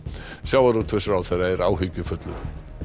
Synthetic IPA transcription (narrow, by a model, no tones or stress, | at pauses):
sjaːwvaɾut̪ʰvɪsʏɾawθɛjɾaɛɾaːwɦʏcːʏfœt̪lʏ̰